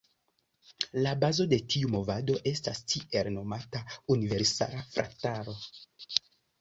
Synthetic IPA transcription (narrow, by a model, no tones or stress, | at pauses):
labazo̞de̞tiumo̞vado̞ʔe̞stastiʔe̞lno̞mataunive̞ɾsa̰lafɾa̰taɾo̞